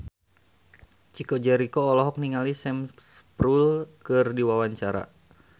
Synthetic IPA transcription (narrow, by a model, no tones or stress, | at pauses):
t͡ʃikod͡ʒɛɾikoːlɔɦɔk̚niŋalisɛmspɾulkɨrdiwawaɲt͡ʃaɾa̰